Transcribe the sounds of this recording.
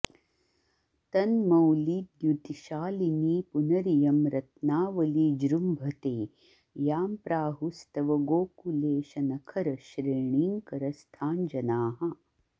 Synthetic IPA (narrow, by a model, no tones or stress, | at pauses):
t̪ɐnmɐwliːd̪jut̪iʃaːliniːpunɐɾijɐmɾɐt̪naːʋɐlid͡ʒɾumbʱɐt̪eː | jaːmpɾaːɦust̪ɐʋɐɡoːkuleːʃɐnɐkʰɐɾɐʃɾeːɳiŋkɐɾɐst̪ʰaːnd͡ʒɐnaːɦɐ̆